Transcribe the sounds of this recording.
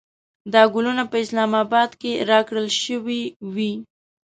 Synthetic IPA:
d̪ɑɡʊlunapəɪslɑmɑbɑd̪keɾɑkɽəlʃəwiwi

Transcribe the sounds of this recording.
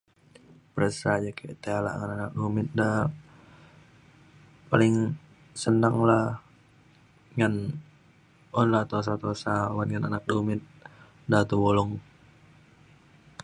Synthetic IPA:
pəɾəsad͡ʒakʰeʔt̪eala̰ʔŋananak̚dumɪt̪̚da | palɪŋ | sənaŋlah | ŋan | ɔnlat̪os̬at̪osawanŋananak̚dumɪt̪̚ | dat̪əwolɔŋ

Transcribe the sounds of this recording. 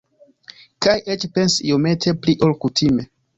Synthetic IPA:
kajʔet͡ʃpe̞nsḭo̞me̞tʰe̞pliʔo̞lkutʰime̞

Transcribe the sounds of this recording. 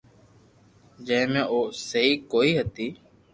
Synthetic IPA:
d͡ʒə̃mẽːʔoːsəɦiːkoːiːɦət̪iː

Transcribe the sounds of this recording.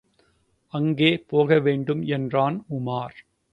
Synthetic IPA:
ɐŋɡeːpoːɣɐʋeːɳɖɯmɛndraːnʊmaːɾ

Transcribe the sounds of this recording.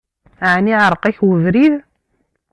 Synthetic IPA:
ʕniʕəɾˤqæçwəvɾið

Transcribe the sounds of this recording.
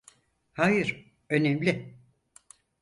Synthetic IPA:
hajɯɾ̥ | ø̞nemlʲɪ

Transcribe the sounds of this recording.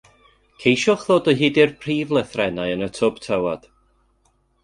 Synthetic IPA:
kʰejʃɔχðoːdɔɦiːdɪrpʰriːvlˠəθrɛnajənətʰɔb̥tʰawad̥

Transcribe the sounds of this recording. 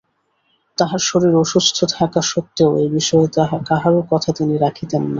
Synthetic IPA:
t̪aɦaɾʃoɾiɾoʃust̪ʰot̪ʰakaʃot̪ːeoejbiʃɔeakaɦaɾokɔt̪ʰat̪iniɾakʰit̪enːa

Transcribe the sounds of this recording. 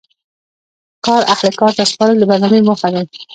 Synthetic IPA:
kɑɾahləkɑɾt̪aspɑɾəld̪əbaɾnɑmemʊxad̪aj

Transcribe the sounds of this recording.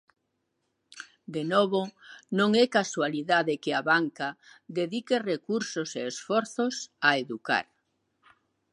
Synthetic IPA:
d̪enɔβonõŋɛkaswaliðaðɪkɪaβaŋkaðeðikerekuɾsoseːsfɔɾθosaeðuka̰ɾ

